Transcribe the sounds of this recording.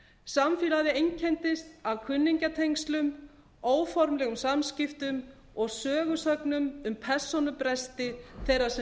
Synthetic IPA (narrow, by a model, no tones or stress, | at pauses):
samfiːlaðɪejɲcʰɛnt̪ɪst̪avkʰʏnːiɲcat̪ʰejŋkst̪lʏm | oːwfɔɾmlɛɣʏmsamscɪft̪ʏm | ɔɣsœːɣʏsœknʏmʏmpʰɛr̥sɔnʏpɾɛst̪ɪθejrḁsɛ